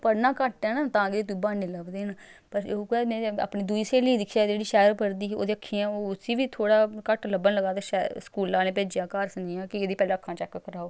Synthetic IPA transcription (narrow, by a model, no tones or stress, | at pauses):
pəɾnãːkəʈɛːnaːt̪ãːɡd̪eːt̪̬ʊiːbaːniːləbd̪eːnpəɾkɛːmɛ̃ːa̰ːpɳiːd̪uiːseːliːd̪ɪkʰːjaːd͡ʒeːɽiːʃɛːəɾpəɾd̪iːo̰ːd̪eːəkʰːiːãːoːʊsiːʋiːt̪ʰoːɽaːkəʈləbənləɡaːt̪eːʃɛskuːlːãːneːpeːd͡ʒjãːkaːɾsəniːãːkɪeːd̪iːpɛːlãːəkʰːãːt͡ʃɛkːkːəɾaːoː